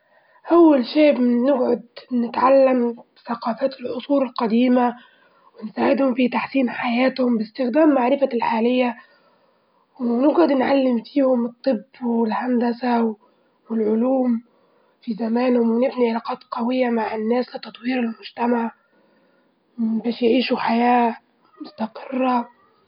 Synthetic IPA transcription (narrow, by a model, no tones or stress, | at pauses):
ʔawːalʃeːʔbːɪɡʕʊd̪nɪt̪ʕalːambθaqɑːfæːt̪lʔʊsˤuːɾɪlqɑd̪iːma | wɪnsaːʕɪd̪hʊmfit̪aħsiːnħajæːt̪hʊmbɪst̪ɪxd̪æːmːaʕɾɪfalħaːlɪjːa | wnɪɡʕʊd̪nʕalːɪmfiːhʊmɨt̪ˤːɨbːwɪlhand̪asaw | wɪlʕʊluːm | fizamæːnhʊmwɪnɪbniʕalɑːqɑːt̪qɑwɪjːamaʕɪnːæːslɪt̪ɑt̪ˤwiːɾɪlmʊd͡ʒt̪amaʕ | bæːʃjʕiːʃuħajæː | mʊst̪ɑqɪrːɑ